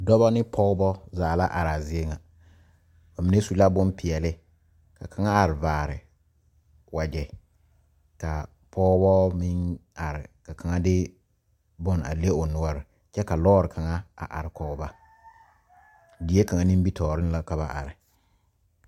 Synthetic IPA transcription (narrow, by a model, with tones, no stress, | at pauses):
dɔ˦βa˦nɪ˦pʰɔ˦ʊ˦bɔ˦zaː˨la˦ʔa˨ɾa˨zɪ˦e˦ŋa˨ | a˨mi˨ne˦su˨la˦bʊ˦mpɪ˨ɛ˨lɪ˦ | ka˨kʰa˨ŋa˦a˨ɾɪ˨vaː˨ɾɪ̰˨ | wa˨d͡ʒɛ˨ | ka˨ | pʰɔ˦bɔ˦mɪ˦na˨ɾɪ˨ka˨kʰa˨ŋa˦dɪ˦ | bʊ˦na̰˨le˦ʊ˨nʊ˦ɔ˦ɾɪ˨ | t͡ʃɛ˦ka˨lɔː˦ɾɪ˨kʰa˨ŋa˦a̰˨ʔa̰˨ɾɪ˨kɔ˦ba˦ | di˨e˦ka˨ŋa˦ni˦bi˦tʰɔː˨ɾɪ˦n˦la˦ka˨βa˨ʔa̰˨ɾɪ˨